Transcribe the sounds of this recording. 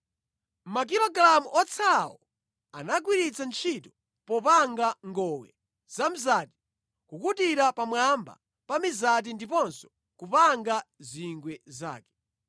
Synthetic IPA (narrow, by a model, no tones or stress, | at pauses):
mak̬iɾɔɡlamuʔɔt͡sʰawɔ | a̰nak̬wiɾit͡sant͡ʃʰitɔ | pɔpaŋɡaŋɡɔwɛ̰ | z̥am̩zati̥ | kukutiɾapamwamba̰ | pamizat̬indipɔnsɔ̥ | kupaŋɡaziŋɡwɛza̰ːkɛ̥